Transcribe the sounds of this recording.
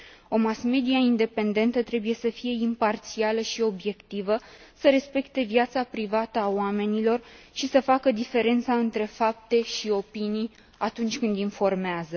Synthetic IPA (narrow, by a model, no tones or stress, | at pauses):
o̞masme̞d̪iaind̪e̞pe̞nd̪e̞nt̪ət̪ɾe̞buje̞səfije̞impart̪sialəʃio̞bje̞kt̪ivəsəɾe̞spe̞kt̪e̞vjat̪sapɾivat̪əaoame̞nilo̞rʃisəfakəd̪ife̞ɾe̞nt̪saɨnt̪ɾe̞fap̚t̪e̞ʃio̞pinij | at̪unt͡ʃʲkɨnd̪info̞rmeazə